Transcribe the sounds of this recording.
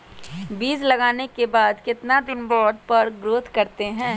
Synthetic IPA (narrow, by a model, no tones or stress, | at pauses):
biːzlɐɡaːnekebaːd̪kɪt̪nad̪ɪnbɔːɖ̚pɐɾɡɾoːt̪ʰkɐɾt̪eɦɛ̃ː